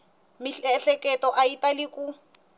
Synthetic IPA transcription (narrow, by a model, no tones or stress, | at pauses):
miɬɛɬɛkʼɛtɔʔaitʼalɪkʼu